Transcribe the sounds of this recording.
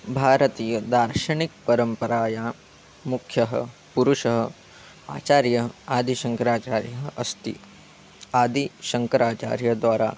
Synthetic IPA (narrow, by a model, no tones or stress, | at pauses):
bʱaːɾət̪iːjəd̪aːɾʃɐɳik̚pɐɾəmpəɾaːja | mukʰjɐɦə̰puɾuʃɐɦə | a̰ːt͡ʃaːɾjɐɦaːd̪ʱiʃɐŋkɐɾaːt͡ʃaːɾjɐɦɐst̪ḭ | aːd̪ʱiʃɐŋkɐɾaːt͡ʃa̰ːɾjɐd̪ʋaːɾa̰ː